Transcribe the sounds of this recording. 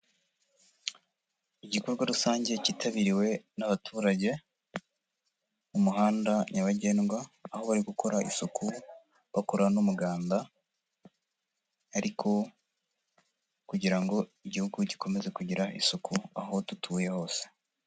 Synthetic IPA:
iɟiko̞ɾɡwaɾusaːɲɟe̞citʰaβiɾiwe̞naβatʰuːɾaɟe̞ | umuɦaːndaɲaβaɟe̞ːnɡwaːho̞βaɾiɡukʰo̞ɾaʔḭsukʰu | βakoɾanumuɡaːnda | aɾikʰo̞ | kuɟiɾaŋɡo̞iɟihuɡuɟikʰo̞me̞ze̞kuɟiɾaʔisukʰuaɦo̞tutʰuːje̞ho̞ːse̥

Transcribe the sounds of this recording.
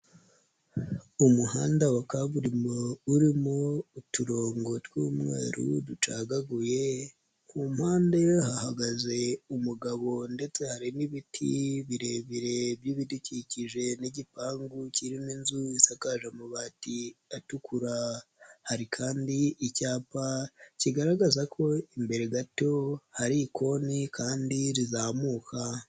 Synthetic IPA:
umuhaːndawakaβuɾimouɾimo̞utuɾo̞ːŋɡo̞twumŋḛːɾṵdut͡ʃaɡaɡuje̞ | kumhaːndajohahaɡaze̞umuɡaβo̞nde̞t͡se̞haɾiniβitʰḭβiɾe̞βiɾe̞bjiːβiduciciʒe̞niɟipaːŋɡuciɾininzuisakaʒamuβatiatukuɾahaɾikʰaːndiicaːpaciɡaɾaɡazakʰo̞imbe̞ɾeɡato̞haɾiko̞nikʰaːndiɾizamuːkʰa

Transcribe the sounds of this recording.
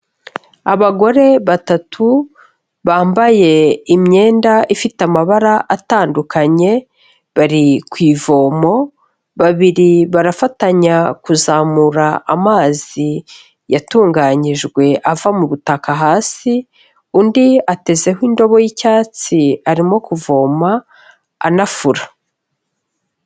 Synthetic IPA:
aβaɡo̞ɾe̞βatatʰu | βaːmbaje̞imɲe̞ːndaʔifitamaβaɾaʔataːndukʰaɲe̞ | βaɾikwiːvo̞mo̞ | βaβiɾiβaɾafataɲakuzaːmuɾaamaːzi | jatuːŋɡaːɲiʒɡwe̞ʔavamuβutakaɦaːsi | undiate̞ze̞ɦindo̞βo̞jicaːt͡siaɾimo̞kuvo̞ːma̰ː | nafuɾa

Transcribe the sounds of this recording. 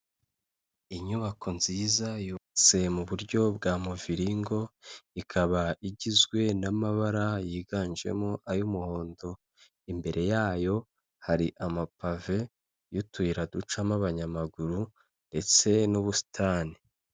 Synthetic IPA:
iɲuβakʰo̞nz̥iːzajut͡se̞muβuɾɟo̞bɡaːmuviɾiŋɡo̞ikʰaβaiɟizɡwe̞namaβaɾajiːɡand͡ʒe̞̰moʔajumuho̞ːndo̞ | imbe̞ɾe̞jaːjo̞ | haɾiʔamapave̞ | jutuiɾadut͡ʃamaβaɲamaɡuɾu | nde̞t͡se̞nuβusi̥tʰaːni

